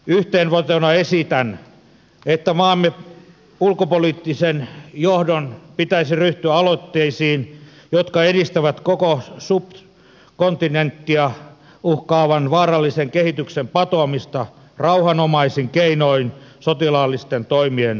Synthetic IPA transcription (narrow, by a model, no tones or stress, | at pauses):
yht̪eːnʋot̪onɑesit̪æn | et̪ːæmɑːmːe | ulkopoliːt̪ːisenjohdonpit̪æisiryht̪yæɑlot̪ːeisiːn | jot̪kɑedist̪æʋæt̪kokosup | kont̪inˑent̪ːiɑ | uhkɑːʋɑnʋɑːrɑlːiseŋkehit̪yksempɑt̪oɑmist̪ɑ | rɑuhɑnomɑisiŋkeinoinsot̪ilɑlːist̪ent̪oimien